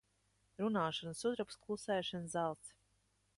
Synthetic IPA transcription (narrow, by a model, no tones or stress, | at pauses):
ɾunaːʃɔnsud̪ɾɔpsklˠusɛːʃanzalˠt̪s